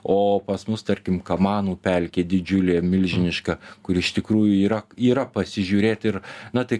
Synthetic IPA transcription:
oːpɐsmʊst̪ɐɾʲkʲɪmkɐmɑːnuːpʲɛlʲkʲeːd̪ʲɪd͡ʒʲʊlʲeːmʲɪlʲʒʲɪnʲɪʃkɐkʊɾɪʃt̪ʲɪkɾuːjʊiːɾɐiːɾɐpɐsʲɪʒʲuːɾʲeːt̪ɪɾnɐt̪ɐɪ

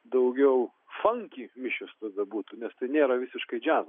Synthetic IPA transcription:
d̪ɐʊɡʲɛʊ | fɐŋʲkʲiːmʲɪʃʲost̪ɐd̪ɐbuːt̪unʲɛst̪ɐɪnʲeːɾɐʋʲɪsʲɪʃkɐɪd͡ʒʲæːz

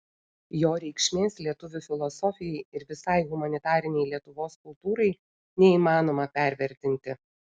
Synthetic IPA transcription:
joːɾʲɛɪkʃʲmʲeːslʲiɛt̪ʊʋʲʊfʲɪlˠɔsɔfʲɪjɛɪɪɾʋʲɪsɑɪɣʊmɐnʲɪt̪ɑːɾʲɪnʲɛɪlʲiɛt̪ʊʋoːskʊlˠt̪uːɾɐɪ | nʲɛiːmɑːnoːmɐpʲæˑɾʲʋʲɛɾʲt̪ʲɪnʲt̪ʲɪ

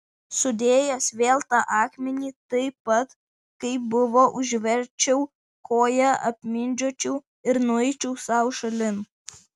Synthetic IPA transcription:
sʊd̪ʲeːjɛsʋʲeːlˠt̪ɑʔɑːkmʲɛnʲiːt̪ɐɪpɐt̪ | kɐɪbʊʋoːʔʊʒʲʋʲɛɾʲt͡ʃʲɛʊ | kʰoːjɛɐ̰pʲmʲɪnʲd͡ʒʲoːt͡ʃʲɛʊ | ɪɾnʊɛɪt͡ʃʲɛʊsɑʊʃɐlʲɪn

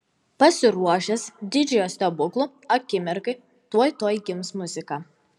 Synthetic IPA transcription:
pɐsʲɪɾuɔʃʲɛsd̪ʲɪd͡ʒʲɛjosʲt̪ɐbʊklˠʊ | ɐkʲɪmʲɪɾkɐɪ | t̪uɔjt̪oːjɡʲɪmsmʊzʲɪkɑː

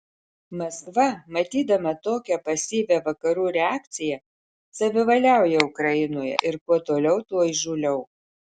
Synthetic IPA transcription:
mɐskʋɐmɐt̪ʲiːd̪ɐmɐt̪oːkʲɛpɐsʲiːʋʲɛʋɐkɐɾuːɾʲɛaːkt̪sʲɪjɛ | sɐʋʲɪʋɐlʲæˑʊjɛʊkɾɐɪnoːjɛ̰ʔɪɾkuɔt̪oːlʲɛʊt̪uɔʒuːlʲɛʊ

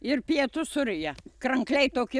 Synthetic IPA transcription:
ɪrpʲiɛt̪ʊsʊɾʲɪjɛkrɐŋklʲɛɪt̪oːkʲɪ

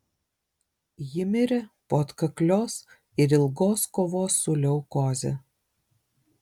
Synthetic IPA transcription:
jɪmʲɪɾʲɛpoːt̪kɐklʲoːs | ɪɾɪlˠɡoːskoːʋoːsʊlʲɛʊkoːzʲɛ̰

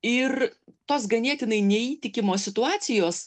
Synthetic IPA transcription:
ɪɾt̪oːs̬ɡɐnʲiɛt̪ʲɪnɐɪnʲɛiːt̪ʲɪkʲɪmoːsʲɪt̪ʊɑːt̪sʲɪjoːs

